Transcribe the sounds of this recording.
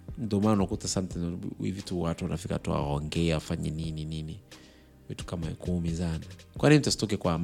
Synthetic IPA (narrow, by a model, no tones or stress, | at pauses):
n̩dɔmanunakutasantɛḭvituwatuwanafika̰tua̰ɔŋɡɛaafaɲɛnininini | vitu̥kamaɛkumizanakwʔaninitasi̥tɔk̬ɛkwam